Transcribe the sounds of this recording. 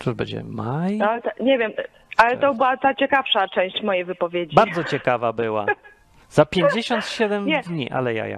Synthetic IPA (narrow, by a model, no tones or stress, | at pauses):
t̪uʐbɛ̰ɲd͡ʑɛ̰majalɛt̪ɲɛvʲjɛm | ʔalɛt̪ɔbɘwat̪at͡ɕɛkafʂat͡ʂɛ̃w̃ɕt͡ɕmɔjejvɘpɔvʲjed͡ʑibaɾd̪zɔt͡ɕɛkavabɘwa̰ | z̥apʲjeɲd͡ʑeɕɔnt̪ɕɛd̪ɛmɛd̪ɲiʔa̰lɛja̰ja̰